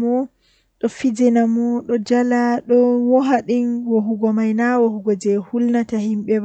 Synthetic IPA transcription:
mɔ | ɗɔfid͡ʒɛnamɔɗɔd͡ʒalaɗɔwɔɦaɗinwoɦuɡɔmajnawohuɡɔd͡ʒɛhulnatahimɓɛw

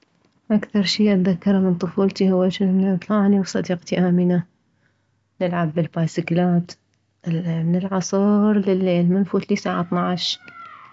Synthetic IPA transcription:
ʔakθɑɾˤʃiːʔat̪ðakːɑɾˤmɪnt̪ˤʊfuːlt̪ihʊwːaʃɪnit̪ˤlɑʕniwsˤɑd̪iːqt̪iʔaːmɪna | nɪlʕabːɪlbaːjsɪklaːt̪ | mɪnɪlʕɑsˤuːɾˤlɪlːeːlmɪnfuːt̪lisaːʕat̪ˤnɑʕʃ

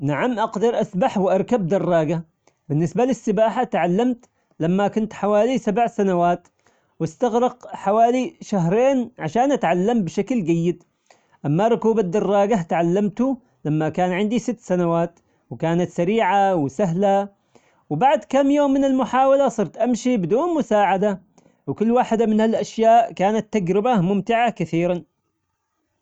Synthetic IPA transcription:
naʕamʔɑqd̪ɑɾˤʔasbaħwʔɑɾˤkab̚d̪ɑrˤːɑːɡa | bɪnːɪsbalɪsːɪbaːħat̪ʕalːamt̪ | lamːakʊnt̪ħawaːlisabʕsanawaːt̪ | wɪst̪aɣɾɪqħawaːliʃaɦɾˤeːnʕaʃaːnʔat̪ʕalːambʃaklɡajːɪd̪ | ʔamːaɾˤʊkuːbad̪ɑrˤːɑːɡat̪ʕalːamt̪u | lamːakaːnʕɪnd̪isɪt̪ːsanawaːt̪ | wkaːnat̪saɾiːʕawsaɦla | wbaʕd̪kamːjoːmːɪnɪlmʊħaːwalasˤɨɾt̪ʔamʃibɪd̪uːnmʊsaːʕad̪a | wkʊlːwaːħɪd̪amɪnhalʔaʃjaːʔkaːnat̪ːad͡ʒɾɪbamʊmt̪ɪʕakɪθiːɾan

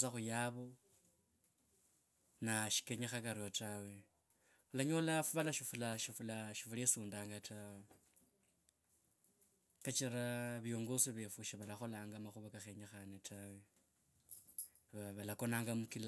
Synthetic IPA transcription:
saxujaβo | naʃi̥keɲexakaɾiotawe̞ | xulaɲo̞lafuβalaʃifulaʃifulaʃifulesuːndaːŋɡatawe | kat͡ʃiɾaβjo̞ːŋɡo̞siβefuʃiβalaxo̞laːŋɡamaxuβakaxe̞ɲexanetʰawe̞ | aβalako̞naːŋɡamukila

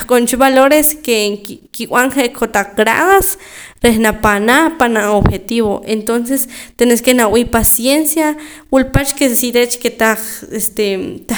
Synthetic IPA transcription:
aχkʼont͡ʃiβaloɾeskekkiw̰aɴχeʔkʰot̪aq͡χɡɾa̰ðas | ɾehnapanapanaʔobxet̪iβoʔent̪ons̬est̪eneskenawipasjensja | wulpat͡ʃkesiɾet͡ʃket̪aest̪et̪a

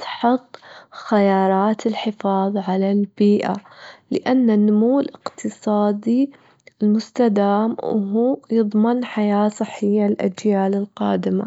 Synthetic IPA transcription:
t̪ħʊðˤxajɑːɾˤɑːt̪ɪlħɪfɑːðˤʕalalbiːʔalɪʔanːanːʊmuːɪlʔɪqt̪ʰɨsˤɑːd̪i | ɪlmʊst̪ad̪aːmw̰ɦuːjɨðˤmɪnħajaːsˤɨħːɪjːalʔad͡ʒjaːlɪlqɑ̰ːd̪ɪma̰

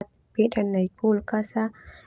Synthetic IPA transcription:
t̪̚ | piɗanːajkulkasa

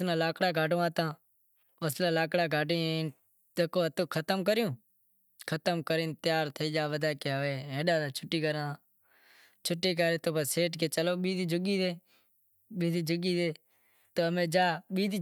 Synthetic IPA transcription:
nãːlaːkɽaːɡʱaːɖõːaːt̪ãː | əslãːlaːkɽaːɡʱaːɖiː | əkoːət̪õːkʰət̪əmkəɾɪjõː | kʰət̪əmkəɾiːnt̪ɪjaːɾt̪ʰəiːd͡ʒaːʋəd̪aːkeːəʋeːẽːɗaːd̪ːt͡ʃʰʊʈːiːkəɾãː | t͡ʃʰʊʈːiːk̬aːɾeːt̪oːbəseːʈkeːt͡ʃəloːɓiːd̪id͡ʒʊɡiːd̪eː | ɓiːd̪iːd͡ʒʊɡiːd̪eː | t̪oːəmẽːd͡ʒaːɓiːd̪

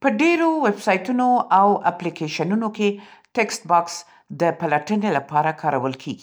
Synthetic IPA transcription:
pəɖeɾowebsɑjt̪unoawaplikeʃanunokeʈeksʈ̚bɑks | d̪əpalaʈənelapɑɾakʰɑɾawəlkʰeɡi

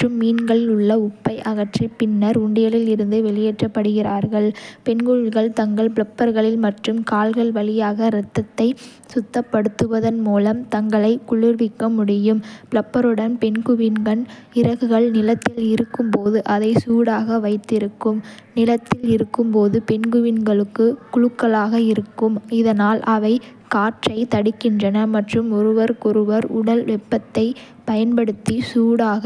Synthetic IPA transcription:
ʈrɯmːiːnɡɐɭɪlʊɭːɐʊpːɐɪʔɐɣɐʈripɪnːɐɾʊɳɖɪjɐlɪlɪɾɯnd̪ɯʋɛɭɪjɛːʈrɐpːɐɽɯɣɪraːɾɣɐɭpɛnɡɯɪɡɐɭt̪ɐŋɡɐɭpɪɭɐpːɐɾɣɐɭɪlmɐʈrɯmkaːlɣɐɭʋɐɭɪjaːɣɐɾɐt̪ːɐt̪ːɐɪ | sʊt̪ːɐpːɐɽɯt̪ːɯʋɐðɐnmuːlɐmt̪ɐŋɡɐɭɐɪkʊɭʊɾʋɪkːɐmʊɽɪjɯmpɭɐpːɐɾɯɽɐnpɛnɡɯʋinɡɐn | ɪɾɐɣɯɣɐɭnɪlɐt̪ːɪlɪɾɯkːɯmpoːðɯʔɐðɐɪsuːɽaːɣɐʋɐɪt̪ːɪɾɯkːɯm | nɪlɐt̪ːɪlɪɾɯkːɯmpoːðɯpɛnɡɯʋɪnɡɐɭɯkːɯkʊɻɯkːɐɭaːɣɐɪɾɯkːɯmɪðɐnaːlʔɐʋɐɪ | kaːʈrɐɪt̪ɐɽɪkːɪndrɐnɐmɐʈrɯmɔɾɯʋɐɾkʊɾɯʋɐɾʊ̰ɽɐlʋɛpːɐt̪ːɐɪ | pɐjɐnpɐɽɯt̪ːisuːɽaːɣɐ

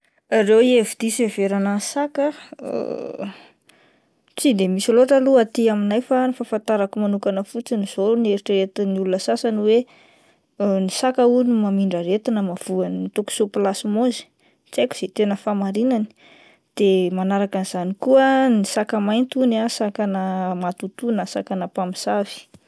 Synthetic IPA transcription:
rewievid̪̥iseveɾanasakə̰ | t͡sid̪emisiloʈ͡ʂəluat̪iaminajfanifafant̪aɾakumanukanəfut͡siniz̥onieɾiʈ͡ʂəɾet̪iniulunəsasaniwe | nisakəunimamiɳɖ͡ʐəɾet̪inəmav̥uanit̪oku̥soplasimozi̥ | t͡sajkʲu̥z̥et̪enəfamaɾinani̥ | d̪̥emanaɾakaniz̥anikuənisakəmajnt̪unasakanəmat̪ut̪unəsa̰kanapamisavi̥

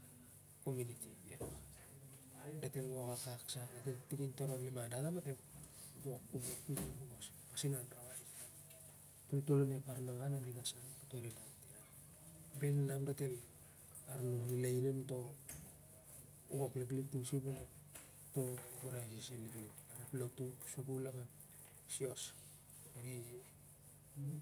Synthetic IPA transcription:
komunitie | date̞lɡokakaksadateltiɡintoɾolimadatamate | ɡokuboutekumosi̥pasinanɾaβai | totolonepaɾnaŋanadiɡasanotoɾinatiɾa | bennamdatel | aɾnonilajɾento̞ | uɡoplepliktusibuna | to̞buɾajsisinɾi | aɾaplotusubulaŋa | sio̞s | eɾi

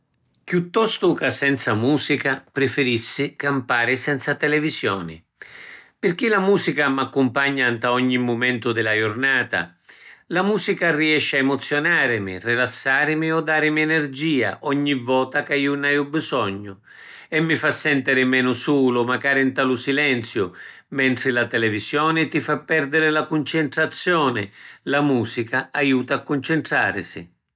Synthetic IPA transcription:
kjut̪ːɔst̪ʊkasɛnt̪samuːsikapɾɪfɪɾisːɪkampaːɾɪsɛnt̪sat̪ɛlɛvisjɔ̰ːnɪ̰ | pɪrk̟ilamuːsikamakːumpaɲːant̪aɔɲːimːʊmɛnt̪ʊd̪ɪlajʊrnaːt̪a̰lamuːsikariɛʃːaemʊt̪sːjɔnaːɾɪmɪ̰rɪlasːaːɾɪmiɔd̪ːaːɾɪmiɛnɛrd͡ʒiːa̰ʔɔɲːivɔːt̪akaiːunajubːisɔɲːʊ | ɛmːɪfasːɛnt̪ɛɾɪmɛːnʊsuːlʊmaɡaːɾɪint̪alʊsilɛnt̪sjʊ | mɛnt̪ɾɪlat̪ɛlɛvisjɔːnɪt̪ifapːɛrd̪ɪɾɪlakunt͡ʃɪnt̪ɾat̪sːjɔːnɪlamuːsikaajuːt̪aːkːʊnt͡ʃɪnt̪ɾa̰ːɾɪ̰sɪ̰

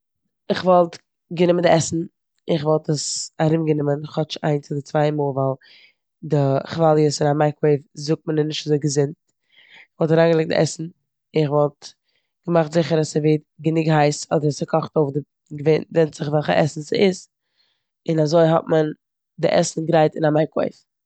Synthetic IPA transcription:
ɪχvɔlˠt | ɡənɪməndɪʔɛsn̩ | ɪɪχvɔlˠtəsaɾɪmɡənɪmənχhɔt͡ʃa̰ɪnt͡sɪlˠdɪt͡svaɪmoːlˠvalˠ | dɪχvalˠjəsɪnamaɪkweɪvzʊk̚t̚mənɪnɪʃtazoɪɡəzɪnt | ɪχvɔlˠtaɾaːŋɡəlˠɪk̚t̚dɪ̰ʔɛsn̩ | ɪɪχvɔlˠt | ɡ̥əmaχtz̥ɪχəɾasəveɪt̚ɡənɪɡhaɪsɔdəɾasəkʰɔχtoʊfdɪ | ɡəveɪntvɛnzɪχvɛlˠχə̰ʔɛsn̩sɪ̰ɪs | ɪnazoɪɦɔ̰tmən | dɪ̰ʔɛsn̩ɡɾaɪtɪnamaɪko̰ɪf

